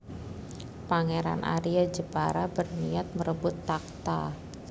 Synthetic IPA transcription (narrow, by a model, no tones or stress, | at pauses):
paŋeɾa̰nʔa̰ɾiad͡ʒəpaɾabərniat̪̚məɾəbʊt̪ːak̚t̪a